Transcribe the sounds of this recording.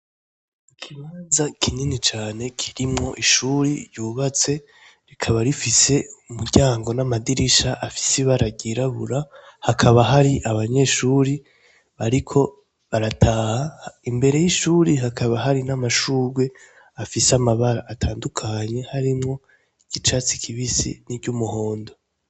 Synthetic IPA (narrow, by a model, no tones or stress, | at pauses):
ikʰiβaːnzakʰininit͡ʃaːnekʰi̥ɾimŋo̞ʔiʃuːɾiɾjuːβat͡se̞ | ɾikʰaβaɾifise̞umuɾɟaːŋɡo̞namadiɾiʃaʔafi̥siβaɾaɡiɾaβṵɾahakʰaβaɦaɾiʔaβaɲe̞ʃuːɾi | βaɾikʰo̞ | βaɾatʰaːhaimbe̞ɾe̞jiʃuːɾiɦakʰaβaɦaɾinamaʃuːɾɡwe | afiseamaβaɾaːtʰaːndukʰaɲe̞haɾimŋo̞ | iɡ̥it͡ʃat͡sikʰiβisḭniɟumuɦo̞ːndo̞